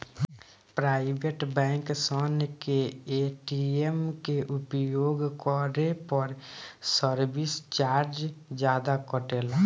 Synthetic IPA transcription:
pɾaːɪbeʈbɛ̃ːŋksɔnkeeːʈiemkeʔʊpjoːɡkɔɾepəɾsəɾbɪst͡ʃaːɾd͡ʒd͡ʒjaːd̪akəʈeːla

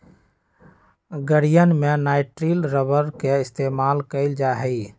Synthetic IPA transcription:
ɡəɽijənmenaːɪʈɾilɾəbəɾkeɪst̪eːmaːlkəɪld͡ʒaɦəi

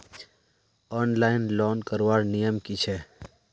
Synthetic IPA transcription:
ɔːnlaːɪnlɔːnkəɾʋaːɾnijəmkit͡ʃʰe

